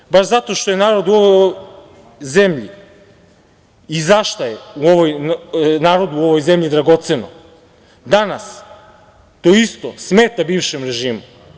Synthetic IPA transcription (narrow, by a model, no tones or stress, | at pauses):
baʃzat̪o̞ʃt̪o̞jenaːɾod̪uo̞ʋoj | ze̞mʎḭ | izaʃt̪ajeuoʋojnaːɾo̞d̪uːo̞ʋo̞jzemʎid̪ɾaɡo̞t̪seno̰ | d̪anas | t̪oist̪o̞smeːt̪abiːʋʃemɾeʒiːmu